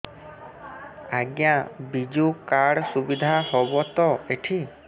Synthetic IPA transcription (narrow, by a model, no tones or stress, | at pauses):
aɡjãbid͡ʒukaɽsubid̪ʱahobɔt̪ɔeʈʰi